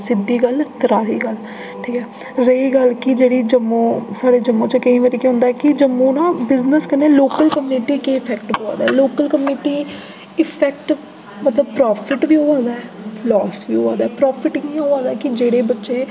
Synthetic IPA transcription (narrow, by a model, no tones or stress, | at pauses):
sɪd̪ːiːɡəlkəɾaːɾiːɡəl | ʈʰiːkɛː | ɾəiːɡəlkɪd͡ʒeːɽiːd͡ʒəmːõːsaːɽeːd͡ʒəmːõːt͡ʃəkəĩːʋeːɾekeɦʊ̃nd̪aɛːkɪd͡ʒəmːõːnãːbɪznəskəneːloːkəlkəmneːʈiːkeːɪpʰɛːkʈboːa̰ːd̪aːɛːloːkəlkəmiːʈiː | ɪpʰɛːk̚ʈ | mət̪ləb̚pɾɔːpʰɪʈbiːɦoːaːd̪aːɛːlɔːsʋiːɦoːã̰ːd̪aɛːpɾɔːpʰɪʈĩːɦoːãːd̪aːɛːkɪd͡ʒeːɽeːbətːʃeː